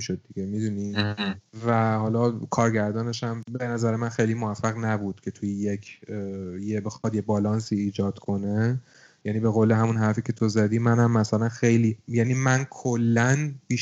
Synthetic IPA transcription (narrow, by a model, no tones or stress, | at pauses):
iʃod̪̚ːiɡemid̪uni | væhɒlɒkʰɒːɾɟæɾd̪ɒːne̞ʃæmbe̞næzæɾemænxe̞jlimoæfːæɣnæbud̪̥cʰe̞t̪ʰujejecʰ | jebexɒd̪jebɒːlɒnsiːd͡ʒɒːd̪̥kʰo̞ne̞ | jæniːbeɣoːleɦæmunɦæɾfiːcʰe̞t̪ʰo̞zæd̪iːmænæmːæsælænxejliːjæniːmænkʰolːænb̥iːʃ